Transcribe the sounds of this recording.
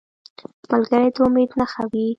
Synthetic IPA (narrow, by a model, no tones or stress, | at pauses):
malɡəɾed̪aʊmed̪naxawi